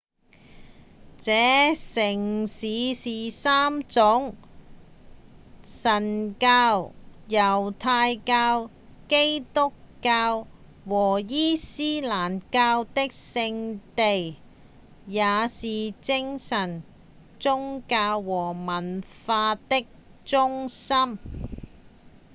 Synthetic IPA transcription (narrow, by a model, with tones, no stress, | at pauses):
t͡sɛː˨˥sɪ˨˩ŋsiː˨˧siː˨saː˥mt͡sʊ˨˥ŋ | sɐ˨˩nkaː˧wjɐ˨˩wt̪ʰaː˧jkaː˧w | ke˥jt̪ʊ˥kːaː˧w | wɔː˨˩jiː˥siː˥laː˨˩nkaː˧wt̪ɪ˥k̚sɪ˧ŋt̪e˨j | jaː˨˧siː˨˩t͡sɪ˥ŋsɐ˨˩n | t͡sʊ˥ŋkaː˧wːɔː˨˩mɐ˨˩nfaː˧t̪ɪ˥k̚t͡sʊ˥ŋsɐ˥m